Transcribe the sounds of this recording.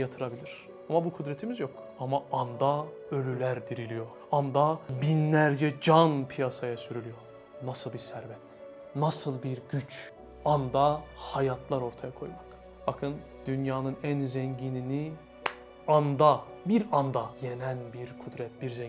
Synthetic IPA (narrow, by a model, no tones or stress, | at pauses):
jat̪ʰɯɾabilʲiɾ̥ | amabukʰud̪ɾɛt̪ʰimizjo̞k | amaːnd̪a | ø̞lʲylʲæɾd̪iɾilʲijoɾ | and̪abinlʲæɾd͡ʒɛd͡ʒanpʰijasajasyɾylʲyjoɾ | nasɯlˠbiɾsæɾbɛt̪ | nasɯlˠbiɾɟyt͡ʃ | and̪ahajat̪ʰlˠaɾo̞ɾt̪ʰajakʰo̞̰jmak | bakʰɯn | d̪̥ynjaːnɯnænzɛɲɟinini | and̪abiɾand̪ajenænbiɾkʰud̪ɾɛt̪̚biɾzɛ